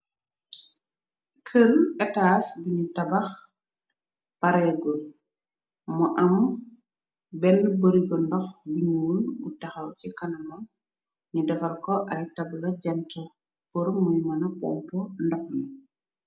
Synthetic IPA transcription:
kʰəlɛtasbiɲutɐbɐx | paɾɛɡɔ | mɔʔɐm | bɛnboɾiɡɔndɔxbiɲuunɡutɐxɐwcikɐnɐmɐ | ɲudɐfɐrkɔʔɐjtɐblɐɟɐntɐ | pɔɾmːujmɐnɐpɔ̰mpɔndɔxni

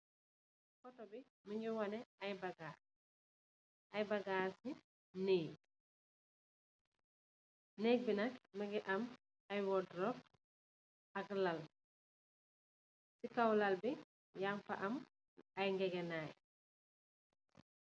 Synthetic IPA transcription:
kɔtɔbi | miɲɡiwɔnɛɐjbɐɡaː | ʔajbɐɡaːsi | nij | neːk̚binɐk̚mɐŋɡiʔɐm | ajwɔdrɔp̚ | ɐklal | sikawlɐlbi | jaŋfa̰ʔɐm | ajŋɡɛɡɛnaːj

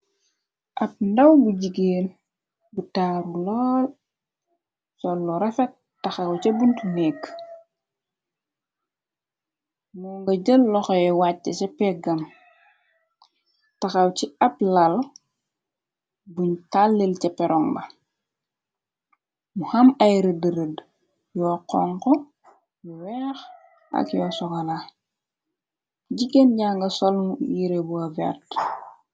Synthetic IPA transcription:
ʔɐp̚ndɐwbuɟiɡeːn | butaːɾulɔːl | sɔlːɔɾɛfɛt̚ | tːɐxɐwcɛbuntunɛːkː | muŋɡɐɟəlːɔxɔɛwatːɐt͡ʃɛpɛɡɐm | tɐxɐwciɐplɐl | buɲtalːilcɐpɛɾɔŋbɐ | muhɐmɐjɾədəɾəd | jɔːqɔ̰ŋkɔ | juwɛːx | ʔɐ̰kjɔsɔkala | ɟiɡenɲaːŋɡɐsɔlmujiɾebuɐvɛ̰rt

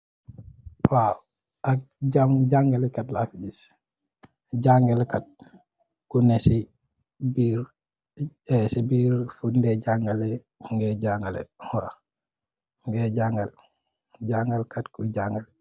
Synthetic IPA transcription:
waw | ak̚ɟamɟaŋɡalɛkɐtlafɟis | ɟaŋɡɐlkat̚ | kunesi | biɾ | ɛsibiːɾfundɛɟaŋɡale | ŋɡɛɟaŋɡalḛwa | ŋɡɛɟaŋɡɐl | ɟaŋɡalkatkuɟaŋɡal

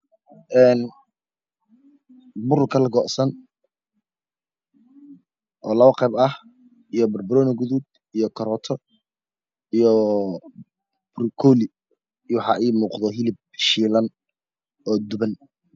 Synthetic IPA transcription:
ʔɛːn | bʊɾʊkʰɐlɐɡɔʔsɐn | ʔɔːlɐβɐqɛjbɐh | ijɔbɐrbʊɾɔːnɐɡʊðʊd̪ | ijɔkʰɐɾɔːt̪ʰɔ | ijɔ | bɾɪkʰɔːlɪ | jwħɑ̰ʔɛːmuːqðɔɦɪlɪb̚ | ʃiːlɐn | ʔɔːd̪ʊβɐn

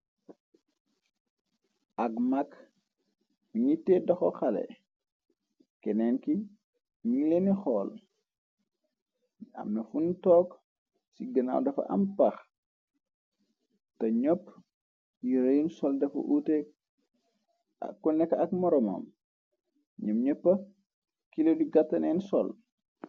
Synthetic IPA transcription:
ʔɐkmak | uɲitːɛdɐxɔxalɛ̰ | kɛnɛnki | ɲilenixɔːl | a̰mnɐfuntɔːk | siɡɐna̰ːwdɐfɐ̰ʔɐ̰mpɐx | tɐɲɔpː | jiɾɐjunsɔldɐfɐ̰ʔutɛ | ɐ̰kːɔnɛkːɐk̚mɔɾɔmɔ̰m | ɲɐmɲɔpːɐ | kilodiɡatːɐnɛːnsɔl

